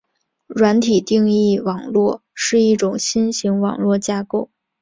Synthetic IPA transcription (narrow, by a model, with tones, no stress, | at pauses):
ɻwa˧˥nt̪ʰi˨˩t̪i˥˧ŋi˥˩wɑ˨˩ŋlwɔ˥˧ʂɻ̩˥˧i˥˩ʈ͡ʂʊ˨˩ŋɕi˥nɕi˧˥ŋwɑ̰˨˩ŋlwɔ˥˩t͡ɕja˥ko˥˩ʊ